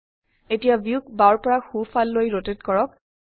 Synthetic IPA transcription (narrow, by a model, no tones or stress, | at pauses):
etijabiuk̚baɹpɔɹaxufʰalːojɹotetkɔɹɔk̚